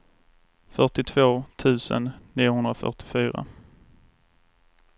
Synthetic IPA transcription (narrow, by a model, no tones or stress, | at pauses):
fœʈɪt̪ʰvoːt̪ʰʉ̟ːsə̰nniːʊhɵnd̪ɾafœ̰ʈɪfyːɾa̰